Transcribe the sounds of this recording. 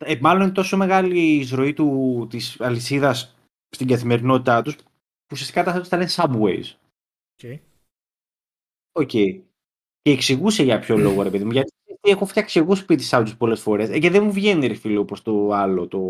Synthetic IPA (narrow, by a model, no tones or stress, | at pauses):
emɐlo̞nint̪o̞so̞me̞ɣɐliːzɾo̞it̪ut̪isɐlisiðɐs | st̪iŋɡɐθime̞ɾino̞t̪it̪ɐt̪us | usiɐst̪i̥kɐt̪ɐst̪ost̪ɐlensɐbwḛjz | oce̞i | ce̞ːksiɣuse̞ʝɐpço̞lo̞ɣo̞ɾe̞pe̞ðimuʝɐt̪iɐst̪iexofɐksiɣospit̪i̥sɐt̪uspo̞le̞sfo̞ɾe̞sceðemuvʝe̞niɾifilopost̪o̞ɐlot̪o̞